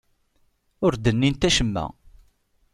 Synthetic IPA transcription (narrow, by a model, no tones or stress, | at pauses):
ʊɾd̪ənːint̪æʃəmːæ̰